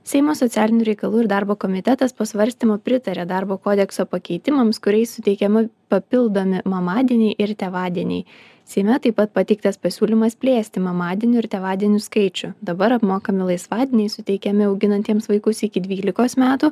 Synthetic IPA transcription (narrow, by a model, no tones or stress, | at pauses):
sʲɛɪmoːsot̪sʲæːlʲɪnʲuɾʲɛɪkɐlˠuːɪɾd̪ɑɾboːkoːmʲɪt̪ʲɛt̪ɐspoːsʋɐɾʲsʲt̪ʲimoːpʲɾʲɪt̪ɐɾʲeːd̪ɑɾboːkoːd̪ʲɛksoːpɐkʲɛɪt̪ʲɪmɐmskʊɾʲɛɪssʊt̪ʲɛɪkʲɛmɐpɐpʲɪlˠd̪oːmʲɪmɐmɑːd̪ʲiɛnʲɛɪʔɪɾt̪ʲɛʋɑːd̪ʲiɛnʲɛ̰ɪ | sʲɛɪmʲɛt̪ɐɪpɐt̪pɐt̪ʲɛɪkt̪ɐspɐsʲuːlʲimɐspʲlʲeːsʲt̪ʲɪmɐmɑːd̪ʲiɛnʲʊɪɾt̪ʲɛʋɑːd̪ʲiɛnʲʊskɐɪt͡ʃʲʊd̪ɐbɐɾɐpmoːkɐmʲɪlˠɐɪsʋɑːd̪ʲɪɛnʲɛɪsʊt̪ʲɛɪkʲɛmʲɪɐʊɡʲɪnɐnʲt̪ʲiɛmsʋɐɪkʊsɪkʲɪd̪ʲʋʲiːlʲɪkoːsmʲæːt̪uː